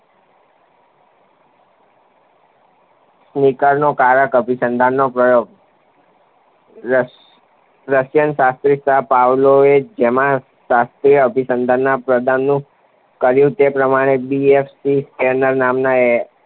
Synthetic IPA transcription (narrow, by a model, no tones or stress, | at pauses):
snikaɾnokaɾəkəbʱisənd̪ʱanːopɾəjoɡ̚ | ɾəʃjənʃast̪ɾisapawloed͡ʒemã | ʃast̪ɾiəbʱisənd̪ʱanːapɾəd̪ʱanːũ | kəɾjũt̪epɾəmaɽ̃ebiefsiskenəɾnamnae